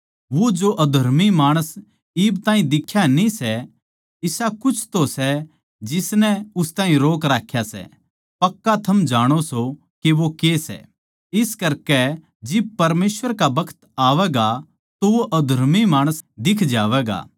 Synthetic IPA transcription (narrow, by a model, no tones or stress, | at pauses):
ʋod͡ʒoʔɐd̪ʱɐɾmimaːɽ̃əs | iːbt̪ãːĩd̪ɪkʰːjanĩsɛ | ɪsakʊt͡ʃʰt̪osɛ | d͡ʒɪsnɛʊst̪ãːɦĩɾoːkɾaːkʰːjasɛ̰ | pɐkːat̪ʰɐmd͡ʒaːɽ̃oso | keʋokesɛ̰ | ɪskɐɾkɛ | d͡ʒɪb̚pɐɾmeːsʋəɾkabɐkʰə̥t̪aːʋɛːɡa | t̪oʋoʔɐd̪ʱɐɾmimaːɽ̃əsd̪ɪkʰd͡ʒaːʋɛːɡa̰ː